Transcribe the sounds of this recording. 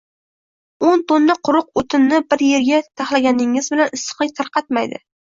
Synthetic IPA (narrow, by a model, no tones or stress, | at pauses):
ont̪onːaqʰʊɾʊq̚ot̪ʰɪnːɪbɪɾje̞ɾɡʲat̪ʰaχlˠaɡʲanɪŋɪzbɪlanɪsːɨ̥qlˠɪjʲt̪ʰaɾqʰɑt̪majd̪ɪ̰